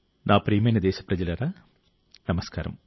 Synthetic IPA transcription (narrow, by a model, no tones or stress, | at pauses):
naːpriːmenɐd̪eːɕɐ̥prɐd͡ʑilɐrɐ | nɐmɐska̰ːɾɐ̰m